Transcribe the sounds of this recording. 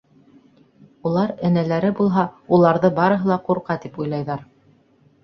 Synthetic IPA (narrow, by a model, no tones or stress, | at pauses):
ulˠɑɾɘ̆nælæɾɘbulˠɦɑulˠɑɾðɤbɑɾɤ̆ɦɤ̆lˠɑquɾqɑt̪ipujlˠɑjðɑɾ